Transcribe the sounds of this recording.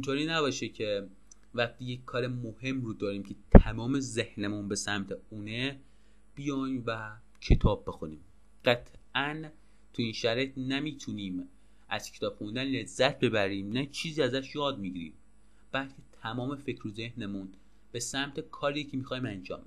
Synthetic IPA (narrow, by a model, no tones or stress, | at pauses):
int̪oɾiːnæbɒːʃecʰe | væxt̪iːjeckʰːɒːɾemohe̞mrod̪ɒːɾiːmcʰe̞t̪ʰæmɒːme̞ze̞hnemunbe̞sæmt̪ʰeuːne | b̥ijɒjmvæ | cʰet̪ʰɒːb̚ːe̞xunḭːm | ɢ̥æt̪ʰʔæn | t̪ʰuiːnʃæɾɒjet̪nemiːt̪ʰuniːm | ʔæz̥cʰet̪ʰɒːb̥xund̪ænle̞zːæt̪̚ʰbe̞bæɾiːmnæt͡ʃʰiːziːæzæʃjɒːd̪̚miɟiɾḭ | b̥ælcʰe̞t̪ʰæmɒːme̞fe̞cʰɾoze̞hne̞mun | b̥e̞sæmt̪ʰe̞kʰɒːɾicʰemiːxɒːjimænd͡ʒɒ̰ːmbe